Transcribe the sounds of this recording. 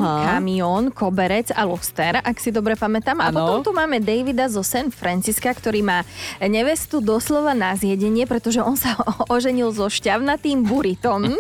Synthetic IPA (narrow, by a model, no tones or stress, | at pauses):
kamiɔːnkɔbɛɾɛt͡salɔst̪ɛɾaksid̪ɔbɾɛpamɛt̪aːmapɔt̪ɔmt̪umaːmɛd̪ɛjʋid̪azɔsɛnfɾant͡siskakt̪ɔɾiːmaːɲɛʋɛst̪ud̪ɔslɔʋanazɪɛɟɛɲɪɛpɾɛt̪ɔʒɛʔɔnsaɔʒɛɲilzɔʃcaʊnat̪iːmbuɾit̪ɔm